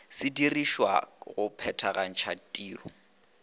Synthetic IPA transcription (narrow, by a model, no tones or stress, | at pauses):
sɪdiriʃwa̰ɣʊpʰɛtʰaɣan̩t͡ʃʰatʼiːrɔ